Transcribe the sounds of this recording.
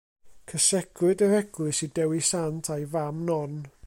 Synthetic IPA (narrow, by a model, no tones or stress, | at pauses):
kʰəsɛɡʰlɨdəɾɛɡ̥lˠɨsidɛwisantʰajvamnɔn